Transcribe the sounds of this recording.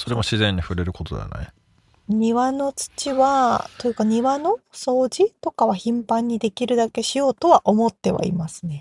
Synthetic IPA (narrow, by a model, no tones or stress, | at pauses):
so̞ɾe̞moɕizẽ̞ɲ̟ːiɸɯ̟ɾe̞ɾɯ̟ko̞t̪o̞d̪ḛa̰na̰i | ɲ̟iβano̞t͡sɨ̥t͡ɕiβat̪ojɯ̟kaɲ̟iβano̞so̞ːd͡ʑit̪o̞kaβaçĩmpãɲ̟ːid̪e̞kʲiɾɯ̟d̪ake̞ɕijo̞ːt̪o̞βaʔo̞mo̞t̪ːe̞βa̰ḭmasɨ̥ne̞